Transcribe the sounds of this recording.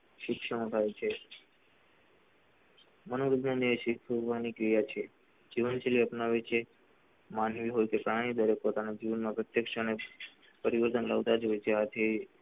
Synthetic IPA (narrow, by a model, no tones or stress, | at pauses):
ʃɪkʃəmõt̪ʰajt͡ʃʰe | mənoɾiɡ̪nanjəʃɪksuɾbanikɾijat͡ʃʰe | d͡ʒiʋənʃeliəpnaʋet͡ʃʰe | manʋiɦojkepɾaɽ̃id̪əɾepot̪anad͡ʒiʋənmãpɾət̪jəkʃəne | pəɾiʋəɾt̪ənlaʋt̪ad͡ʒɦojt͡ʃʰeat̪ʰe